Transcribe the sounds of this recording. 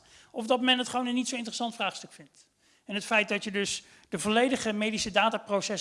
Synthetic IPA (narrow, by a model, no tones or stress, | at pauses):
ɔvdɑtmɛnɦətχəʋownənːitsowɪntərəsɑntfraːχstɵkfɪnt | ɛnɦətfɛjt̚dɑtjədɵs | dəvolejdəχəmejdisədaːtaːprowsɛs